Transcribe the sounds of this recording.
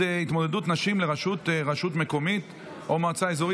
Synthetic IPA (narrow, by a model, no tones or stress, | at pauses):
it̪mo̞dedut̪naʃimleʁaʃut̪ʁaʃutme̞ko̞mit̪ | ʔomat͡saezoʁi